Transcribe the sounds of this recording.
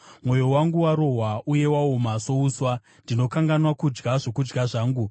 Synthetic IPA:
mwo̞jo̞waŋɡuwaɾo̞ɦwaʔuje̞waomaso̞uːswa | ndino̞kaŋɡanwakud͡ʒɡaʐokud͡ʒɡaʐaːŋɡu

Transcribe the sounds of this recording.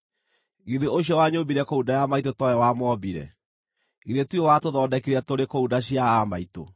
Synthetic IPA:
ɣiðeʔoɕjɔwaɲoːbiɾɛkoudajamaitotɔjɛwamɔbiɾɛ̰ | ɣiɾetwiowatoðɔːdɛkiɾatoɾekoudaɕijaamaito̰

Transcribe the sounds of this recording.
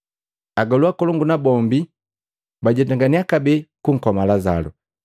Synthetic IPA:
aɡɔluakɔlɔŋɡunabɔmbi | baɟɛtaŋɡaniakabɛkuŋ̩kɔmalaza̰lṵ

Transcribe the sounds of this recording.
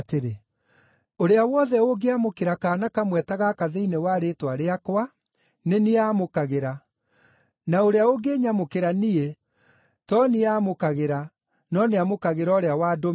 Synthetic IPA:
teɾe | oɾeawɔðɛoɡeamokeɾakaːnakamwɛtaɣakaðeinewaːɾetwaɾeakwa | neneaːmokaɣeɾa | naoɾeaoɡeɲamokeɾanie | tɔniamokaɣeɾa | nɔneamokaɣeɾɔɾeawaːdo

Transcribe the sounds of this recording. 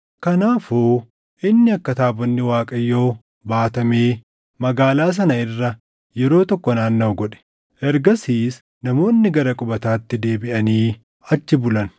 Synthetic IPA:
kɐnaːfoː | ʔɪnːɪɐkːɐt̪aːbɔnːɪwaːkʼɐjːoː | baːt̪ɐmeː | mɐɡaːlaːs̬ɐnɐɪrːɐ | jɛɾo̞ːt̪ɔkːɔnaːnːɐwɡɔᶑɛ̥ | ʔɛɾɡɐsiːs | nɐmo̞ːnːɪɡɐɾɐkʼʊbɐt̪aːt̪ːɪd̪e̞ːbɪʔɐniː | ɐt͡ʃːɪbʊlɐn

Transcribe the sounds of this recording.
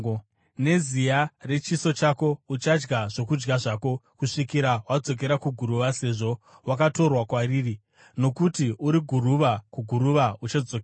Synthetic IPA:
ne̞zijare̞t͡ʃiso̞t͡ʃako̞ut͡ʃad͡ʒɡaʐo̞kud͡ʒɡaʐako̞kuʂikiɾawad͡zo̞k̬e̞ɾakuɡʱuɾuʋase̞ʐo̞ | wakato̞rwakwaɾiːri | no̞kutiʔuɾiɡʱuruʋakuɡʱuɾuʋaut͡ʃad͡zokː

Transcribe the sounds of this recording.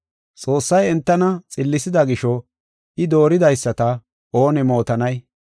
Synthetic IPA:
t͡sʼo̞ːsːɐjɛnt̪ːɐnɐt͡sʼɪlːɪsɪd̪ɐɡɪʃɔ | ʔɪd̪o̞ːɾɪd̪ɐjsːɐt̪ɐ | ʔoːnɪmo̞ːt̪ɐnɐj

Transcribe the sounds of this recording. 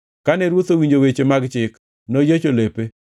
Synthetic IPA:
kanɛɾwot̪owiɲd͡ʒowet͡ʃemaɡt͡ʃɪk | nojet͡ʃolepe

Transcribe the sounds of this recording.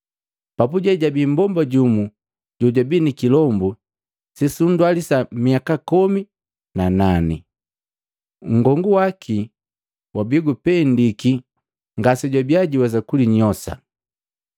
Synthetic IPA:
papuɟɛɟabimbɔmbaɟumu | ɟɔɟwabinikilɔmbu | sisundwalisamiakakɔmi | nananḭ | ŋ̩ɡɔŋɡuwakʰi | wabiɡupɛndiki | ŋɡasɛɟwabjaɟiwazakuliɲɔsa̰

